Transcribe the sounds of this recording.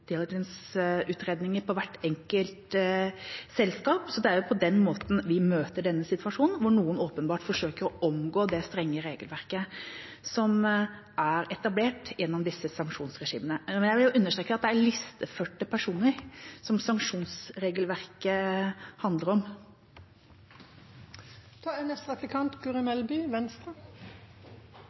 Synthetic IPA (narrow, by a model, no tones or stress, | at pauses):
d̪̥ɪld͡ʒənsʉːt̪ɾeːd̪nɪŋəɾpʰɔʋæʈːɛŋkəlt̪ | sɛlskɑːpsɔd̪ɛæɾjʊpʰɔd̪ɛnːmoːt̪n̩ʋɪmøːt̪əɖɛnːəsɪt̪ʋɑʂuːnnʋʊɳuːənoːpənbɑːʈfɔʂøːkəɾɔʔɔmɡoːd̪ɛst̪ɾɛŋːəɾeːɡəlʋæɾkə | sɔm | ʔæɾɛt̪ɑbleːʈjɛnːɔmd̪ɪsːəsɑŋkʂuːnsɾɛʂḭːmənəmɛnjæɪʋɪljʊʔʉnːəʂʈ̪ɾeːkəəɑt̪̚d̪ɛæɾɭɪst̪əføːʈːəpʰæʂuːnəɾsɔmsɑŋkʂuːnsɾeːɡəlʋæɾkəhɑnd̪ləɾɔm | t̪ʰɑɛnɛst̪ʁɑplɪkʰɑnt̪ɡʉʁʏmɛlbyːʋɛnst̪ʁɑ